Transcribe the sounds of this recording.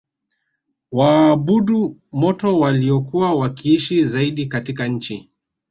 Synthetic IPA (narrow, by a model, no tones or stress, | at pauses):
waːɓuɗumɔtɔwaliɔkuwawakiiʃizaiɗikatikaɲ̩t͡ʃi